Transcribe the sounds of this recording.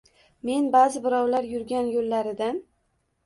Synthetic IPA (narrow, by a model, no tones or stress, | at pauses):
me̞nbazɪbɪɾɒwlaɾjʊɾɡʲanjolːaɾɪd̪an